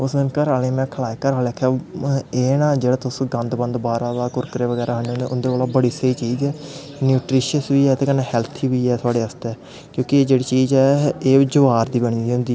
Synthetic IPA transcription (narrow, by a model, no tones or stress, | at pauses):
ʊsd̪ɪnkəɾaːleːmɛ̃ːkʰəlaːekəɾaːleːkʰaːeːnãːd͡ʒeːɽaːt̪ʊsɡə̃nd̪bə̃nd̪baːɾaːd̪aːkʊɾkəɾeːʋəɡɛːɾʔaːɦəɳeoːnẽːʔʊnd̪eːaːlaːbəɽiːsəiːt͡ʃiːd͡ʒɛː | njuːʈɾɪʃəsʋiːɛːt̪eːkənaːhɛːlt̪ʰiːʋiːɛːt̪ʰʊaːɽeːəst̪eɛː | kjõːkɪːd͡ʒeːɽiːt͡ʃiːzɛːeːd͡ʒʊʋaːɾd̪iːbəɳ̃iːõnd̪iː